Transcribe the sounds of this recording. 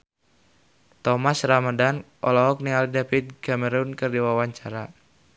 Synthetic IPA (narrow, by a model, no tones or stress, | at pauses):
t̪ɔmasramadanʔɔ̰lɔɦɔk̚nialidafit̪̚ɡaməɾunkɨrdiwawaɲt͡ʃaɾa